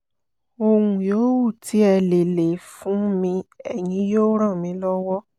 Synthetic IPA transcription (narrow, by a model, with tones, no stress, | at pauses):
o˧hũ˨joː˨˦wu˦˨tʰi˨˦ɛ˧le˨le˨fũ˨˦mĩ˧ɛ˨j̃ĩ˧˦joː˦ɾ̃ã˦˨mĩ˨˧˦lɔ˦wɔ˦